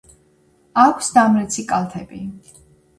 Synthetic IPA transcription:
akʷʰsd̪amɾɛt̪sʰikʼalˠt̪ʰɛbi

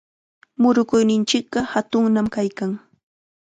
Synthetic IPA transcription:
mʊɾʊkʊjnɪnt͡ʃɪk̚ɢɑhat̪ʊŋnamkajkaŋ

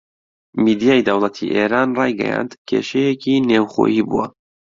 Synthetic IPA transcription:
mid̪ijaːjd̪ɐwlˠɐt̪ʰḭʔeːɾaːnrɑːjɡɛ̰ja̰ːnd̪kʰḛʃejekʰiːnewχo̰ːjiːbṵwɐ

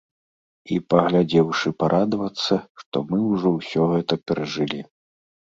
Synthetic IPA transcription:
ipɐɣlʲad͡zʲɛwʂɨpaɾʔad̪vɐt̪sːɐʂt̪ɔmɨwʐɔwsʲɔɣɛt̪ɐpʲɛɾɐʐɨlʲi

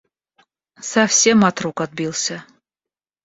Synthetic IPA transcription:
safsʲemat̪rukat̪̚bilˠsʲə

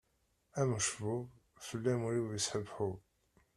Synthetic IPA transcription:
æməʃvʊv | fəlːæmʊɾiwəsħəvħʊð

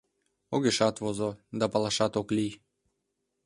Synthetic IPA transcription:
oɣeʃɑt̪βozod̪ɑpɑlˠɑʃɑt̪oklij

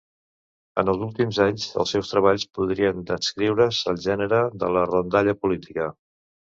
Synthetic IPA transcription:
ə̰nəlˠzulˠt̪imzaɲzə̰lˠsɛwst̪ɾəβ̞aʎspuðɾiənd̪əskɾiwɾəzəlˠʒɛnəɾəðələrond̪aʎəpulit̪i̥kə

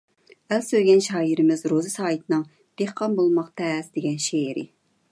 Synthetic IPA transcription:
ælsøɡʲɛnʃɑːjiɾɪmɪzɾozɨsɑːjit̪ʰɨnɨŋ | d̪̥ehqʰɑmbolˠmɑqt̪ʰɛsd̪eɡʲɛnʃeɾɪ̰

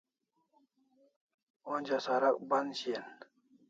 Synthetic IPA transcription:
onʲd͡ʑasaɾak̚banɕien

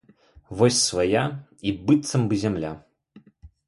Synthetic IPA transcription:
vɔsʲsvajaibɨt̪sɐmbɨzʲɛmlʲa

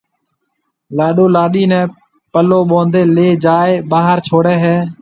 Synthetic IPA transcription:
laːɗoːlaːɗiːnɛ̃ː | pəloːɓõːnd̪eːleːd͡ʒaːeːɓaːɦəɾt͡ʃʰoːɽeːɦɛː

